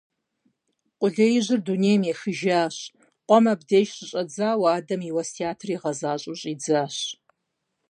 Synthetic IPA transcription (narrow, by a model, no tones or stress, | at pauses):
qʷʼʊɮejɪʑɪrduneːjmjexɨʒaːɕ | qʷɔmɐbdeːʃɕɪɕʼɐd͡zaːwaːdɐmiwɐstʰiaːtʰriːʁɐzaːɕʼʊɕʼiːd͡zaːɕ